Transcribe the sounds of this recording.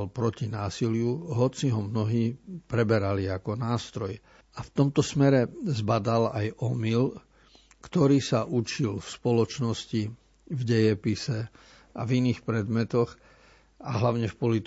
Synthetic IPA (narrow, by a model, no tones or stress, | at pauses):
lpɾɔcinaːsilɪjuɦɔt͡siɦɔmnɔɦiːpɾɛbɛɾaliakɔnaːst̪ɾɔj | aft̪ɔmt̪ɔsmɛɾɛzbad̪alajɔmil | kt̪ɔɾiːsaʔut͡ʃilfspɔlɔt͡ʃnɔsci | vɟɛjɛpisɛ | a̰viniːxpɾɛd̪mɛt̪ɔɣ | aɦlaʊɲɛfpɔlit̪